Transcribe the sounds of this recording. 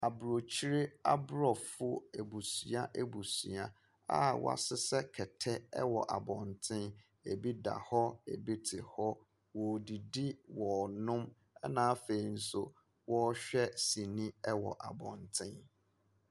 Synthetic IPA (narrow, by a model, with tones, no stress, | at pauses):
a˨bɾo˨t͡ɕʰi˦ɾɪ˦a˦bɾɔ˦˨fʊ˦e˨bu˨sɥa˦ʔe˦˨bu˨sɥa˦ | a̰˦w̰a̰˨sɪ˦sɛ˦kʰɛ˨tʰɛ˦ɛ̰˦wɔ˨ʔa̰˨bɔ̃˨ntʰɪ̃˦n | e˨bi˦da̰˨hɔ˦ḛ˨bi˦tʰɪ˨hɔ˦ | wɔ˨di˨di˦wɔ˨nʊ̃˦m | ɛ̰˦nãː˨˦a˦fe˨i˨n̩˦sʊ˦ | wɔ˦ɕᶣɛ˦si˨nĩ˦ɛ˦wɔ̰˨ʔa̰˨bɔ̰̃˨ntʰɪ̃˦n